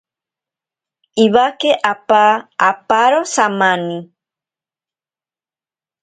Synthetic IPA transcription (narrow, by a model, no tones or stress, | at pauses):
iβakeʔapaːpaɾosamãni